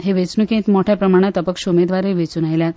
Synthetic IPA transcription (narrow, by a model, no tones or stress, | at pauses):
ɦeʋet͡snukẽt̪moʈʰjapɾəmaɽ̃jat̪əpəkɕumed̪ʋaɾeʋet͡suːnajljat̪